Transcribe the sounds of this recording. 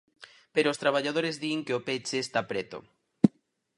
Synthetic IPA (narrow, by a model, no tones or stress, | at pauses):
peɾoːst̪ɾaβ̞aʎaðoɾezðieŋkeopet͡ʃeːst̪apɾet̪o̰